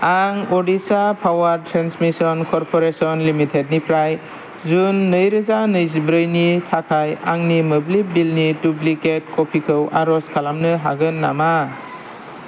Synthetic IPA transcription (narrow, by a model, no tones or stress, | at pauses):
aŋɔdisapʰawaɾtʰɾansmisɔnkʰɔɾpʰɔɾesɔnlimitʰed̚nipʰɾaj | zunːəjɾɯzanəjzibɾɯjnitʰakʰaja̰ŋniməblik̚bilnitubliket̚kʰɔpʰikʰɯwa̰ɾɔskʰalamnɯɦaɡɯnːa̰ma